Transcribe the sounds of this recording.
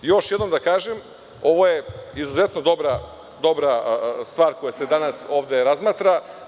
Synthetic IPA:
jo̞ʃjed̪nomd̪akaːʒem | o̞ʋojeizuzet̪nod̪o̞bɾa | d̪o̞bɾast̪vʋaːɾko̞jased̪anaso̞ːʋd̪e̞ɾazmaːt̪ɾa

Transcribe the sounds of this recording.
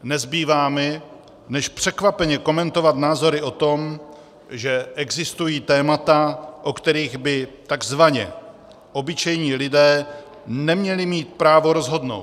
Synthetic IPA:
nɛzbiːvaːmɛ | nɛʃpr̝̥ɛkvapɛɲɛko̞mɛnt̪o̞vat̪naːzo̞ɾɪʔo̞t̪o̞m | ʒɛʔɛɡzɪst̪ujiːt̪ɛːmat̪aʔo̞kt̪ɛɾiːɣbɪt̪aɡzvaɲɛ̰ | ʔo̞bɪt͡ʃɛjɲiːlɪdɛː | nɛmɲɛlɪmiːt̪̚pɾaːvo̞ɾo̞zɦo̞dno̞̰wt̪

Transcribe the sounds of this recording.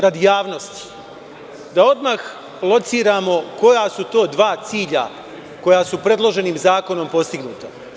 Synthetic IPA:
ɾad̪ijaːʋno̞st̪i̥ | d̪ao̞d̪max | lˠo̞t̪siːɾaːmo̞ko̞jasut̪o̞ːd̪ʋaːt̪siːʎa̰ | ko̞jasupɾe̞d̪lˠo̞ʒe̞niːmzaːko̞no̞mpo̞st̪iɡnuːt̪a

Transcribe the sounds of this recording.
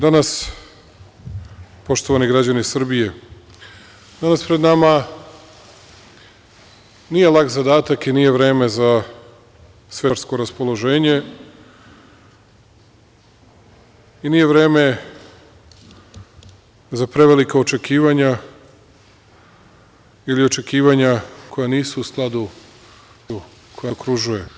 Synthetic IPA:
d̪anas | po̞ʃt̪o̞ʋaniɡɾad͡ʑanisr̩bije̞ | d̪̥anaspɾed̪nama | nije̞lˠakzad̪aːt̪akinije̞ʋɾe̞ːme̞za | sʋeɾsko̞ɾaspo̞lˠo̞ʒe̞ːɲe̞ | inije̞ʋɾe̞ːme̞ | zapɾe̞ʋe̞likaot͡ʃe̞kiːʋaɲa | ilio̞t͡ʃe̞kiːʋaɲakʰo̞janiːsuːsklˠad̪u | u | kʰojaokɾuʒuje

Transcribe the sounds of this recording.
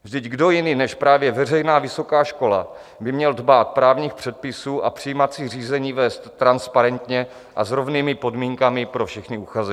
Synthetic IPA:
vʒdɪɟɡdo̞jɪnɪnɛʃpɾaːvjɛvɛr̝ɛjnaːvɪso̞kaːʃko̞la̰ | bɪmɲɛldbaːt̪̚pɾaːvɲiːxpr̥ɛt̪̚pɪsuːʔapr̥ɪjmat͡siːr̝iːzɛɲiːvɛːst̪ːɾanspaɾɛnt̪ɲɛ | ʔazɾo̞vniːmɪpo̞dmiːŋkamɪpɾo̞fʃɛxnɪuxazɛ

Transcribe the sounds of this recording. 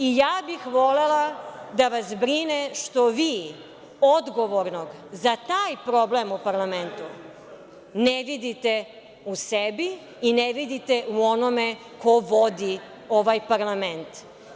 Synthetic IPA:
ijaːbixʋo̞lelad̪aʋasbɾineʃt̪o̞ʋiː | o̞d̪ɡo̞ʋo̞ɾno̞ɡzat̪aːjpɾo̞blemupaɾlˠament̪u | neʋid̪it̪e | usebi | ineʋid̪it̪eʔuo̞nome | ko̞ʋo̞d̪i | o̞ʋajpaɾlˠame̞nt̪

